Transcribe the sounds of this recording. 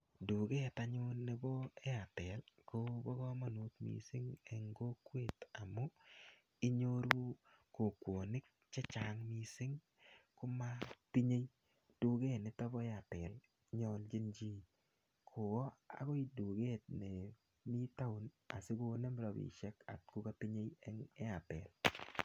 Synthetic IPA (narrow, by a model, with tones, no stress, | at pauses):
du˨ɡeː˦ta˨ɲʊ˦nːe˦bɔ˦e˦a˨tɛ˨lko˦bɔ˦ɡɔ˦ma˨nu˦t̪mḭ˨sɪ˦ŋe˨ŋɡo˦kwe˦˨ta˨mo˦ | i˦ɲo˦ɾu˦ | ko˨kwo˨nɪ˦k̚t͡ʃe˦t͡ʃa˨ŋmi˨sɪ˦ŋ | kʊ˦ma˦ti˦ɲe˦j | d̥u˦ɡe˦nɪ˨tɔ˦bɔ˦ɛ˦a˨pɛ˨l | ɲɔ˦ld͡ʒi˦nd͡ʒi˦ | kʰo˨wɔ˦a̰˨kɔ˦i˨du˨ɡe˦t̚ne˨ | mi˦ta˦ʊ˦n | a̰˨sɪ˦ku˦ne˦mɾɔ˨bḭ˨ʃɛ˦ka̰˨t̚ku˦ka˦ti˦ɲe˦jɛŋe˦a˨pɛ˨l